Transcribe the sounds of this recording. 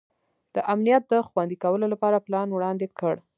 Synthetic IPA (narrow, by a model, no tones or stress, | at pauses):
d̪̥əʔamnijat̪̚d̪əxwand̪ikawəlolapɑɾaplɑnwɽɑnd̪ekʰəɽ